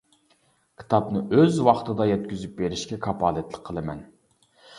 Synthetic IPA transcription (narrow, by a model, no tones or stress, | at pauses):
kʲʰi̥t̪ʰɑpnɨʔøzwɑχt̪ʰɨd̪ɑjɛt̪kʲyzyp̚beɾɪʃkʲɛkʰɑpɑːlˠɛt̪lˠəqʰːəlˠɨmɛn